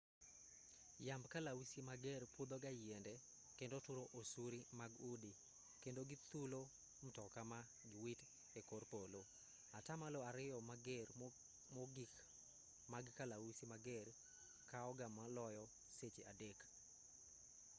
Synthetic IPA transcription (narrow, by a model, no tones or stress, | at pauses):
jambkalawusimaɡerpud̪oɡajendɛ | kendotʊɾoʔosuɾimaɡudi | kendoɡit̪ulo | m̩tɔkama | ɡɪwit | ekorpolo | atamaloaɾɪjɔmaɡer | moɡik | maɡkalawusimaɡɛr | kaɔɡamalɔjɔ | set͡ʃeadek